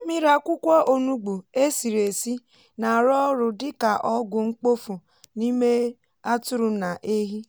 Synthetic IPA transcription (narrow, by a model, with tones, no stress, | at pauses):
mi˦ɾa˦˨kʷʊ˦kʷɔ˦ʔo˨nu˦ɡ͡bu˨e˦si˨ɾe˨si˦ | na˨ɾɔ˦ɾʊ˨dɪ˦ka˨ʔɔ˦ɡʊ˨ŋ͡m̩˦k͡po˦fu˨ | ni˦me˦ | a˦tʊ˦ɾʊ˨na˨ʔe˦ɦi˦